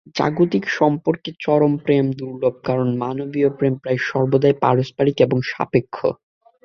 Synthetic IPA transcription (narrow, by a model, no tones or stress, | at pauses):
d͡ʑa̰ɡut̪ikʃɔmpoɾket͡ɕɔɾompɾemd̪uɾlob̚kaɾonmanobiopɾempɾajʃɔɾbod̪aepaɾospaɾikeboŋʃa̰pekʰːo̰